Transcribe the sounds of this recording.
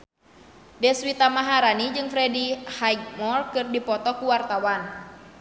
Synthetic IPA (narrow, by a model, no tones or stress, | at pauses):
dɛswit̪amaɦaɾanid͡ʒɨŋfɾɛdihajɡ̚mɔrkɨrdipɔt̪ɔkuwart̪awan